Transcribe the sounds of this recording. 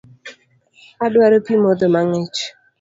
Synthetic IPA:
adwaɾopimod̪omaŋɛt͡ʃ

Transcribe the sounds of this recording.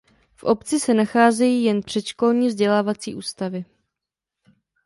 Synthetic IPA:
fʔo̞pt͡sɪsɛnaxaːzɛjiːjɛnpr̝̥ɛt̪ʃko̞lɲiːvzɟɛlaːvat͡sḭːʔuːst̪avɪ

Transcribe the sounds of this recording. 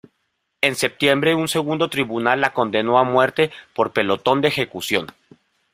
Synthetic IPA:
e̞nse̞p̚t̪je̞mbɾe̞unse̞ɣ̞und̪o̞t̪ɾiβunalːako̞nd̪e̞no̞amwe̞ɾt̪e̞po̞ɾpe̞lo̞t̪o̞nd̪eːxe̞kusjo̞n

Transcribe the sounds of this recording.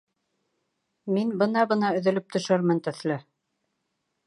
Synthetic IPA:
minbɤnɑbɤ̆nɑɵ̆ðɵ̆lɵp̚t̪ɵ̆ʃɘɾmɘnt̪ɵ̆θlɘ

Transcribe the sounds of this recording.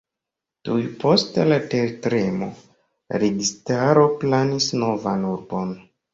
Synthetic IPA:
tujpo̞stelateɾtɾe̞mo̞ | ɾeɡistaɾo̞planisno̞vanuɾbo̞n

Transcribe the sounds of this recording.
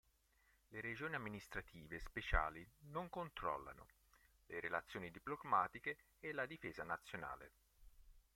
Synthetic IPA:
leɾed͡ʒoːniamːinist̪ɾat̪ʰiːvespet͡ʃa̰ːlinoŋkont̪ɾɔ̰lːa̰no̰ | leɾelat̪sːjoːnid̪iplomaːt̪ikeː | lad̪ifeːzanat̪sːjona̰ːlḛ

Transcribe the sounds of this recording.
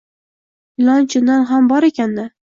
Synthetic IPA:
lant͡ʃʊnd̪anɦambɒɾekʲʰand̪ɪ

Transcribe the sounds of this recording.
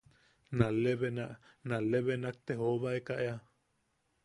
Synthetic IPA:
naleβenaʔ | naleβenak̚t̪ehoβaekaʔea

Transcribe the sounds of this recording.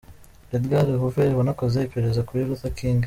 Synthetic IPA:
ɾed̪ɡaɾiɦuveɾiβanakozeipeɾezakuɾiɾutakʰiːŋɡa

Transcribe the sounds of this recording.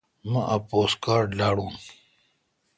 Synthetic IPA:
mɐ̃ʔɐpoːskaːɾɖlaːɽũː

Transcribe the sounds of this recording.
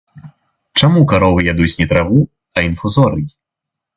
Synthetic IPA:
t͡ʂamukaɾɔvɨjad̪ut͡sʲnʲɛt̪ɾavu | ɐinfuzɔɾɨkʲi

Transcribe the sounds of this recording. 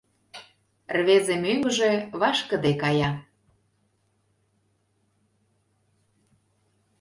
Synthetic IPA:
rβezemyŋɡəʒĕβɑʃkə̆d̪ekɑjɑ

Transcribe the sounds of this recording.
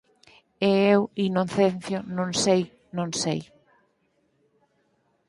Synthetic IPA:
eewinoθenθjonõŋsej | nõŋsḛj

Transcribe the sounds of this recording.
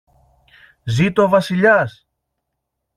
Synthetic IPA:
zit̪ovɐsiʎɐs

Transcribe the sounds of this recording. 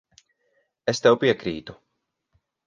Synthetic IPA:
est̪ɛwpiɛkɾḭːt̪u̥

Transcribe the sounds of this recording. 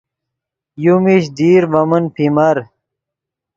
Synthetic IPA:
jumiɕd̪iːɾbɐmənpʰimɐɾ

